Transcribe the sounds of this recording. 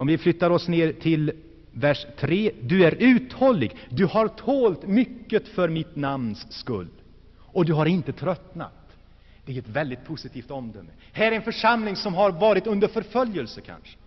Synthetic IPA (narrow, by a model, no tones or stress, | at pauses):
ɔmvɪflʏt̪ːaɾɔsneːɾt̪ʰɪl | væʂt̪ʰɾeːd̪ɵæɾʉ̟ːt̪hɔlːɪɡd̪ɵhaɾt̪ʰoːlt̪mʏkːət̪fœɾmɪt̪namnsːkɵ̰lː | ɔd̪ɵɦaɾɪnt̪ət̪ʰɾœt̪na̰t̪ | d̪̥ɛæɛt̪vɛld̪ɪt̪̚pʰʊsɪt̪ʰiːft̪ɔmd̪œmː | hæːɾɛɾɛnfœʂamlɪŋsɔmɦaɾvɑːɾɪt̪ɵnd̪əɾfœɾfœljəlsəkʰa̰nʂə̥